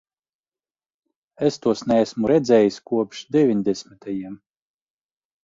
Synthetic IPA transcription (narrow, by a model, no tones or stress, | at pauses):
est̪uɔsnɛsmuɾɛd̪zɛːjisʲkuɔpʃd̪ʲɛvʲiɲʲd̪ʲɛsmit̪ʰajiɛm